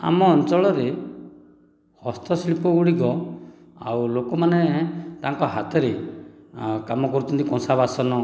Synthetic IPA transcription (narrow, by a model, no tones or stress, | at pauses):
a̰mɔːnt͡ʃɔɭɔɾe | hɔst̪ʰɔsɭipɔɡuɽiɡɔ | a̰wlokɔmanet̪aŋkɔɦat̪ɔɾe | kamɔkɔɾut̪ʰɔnt̪ikɔ̃nsabasɔnɔ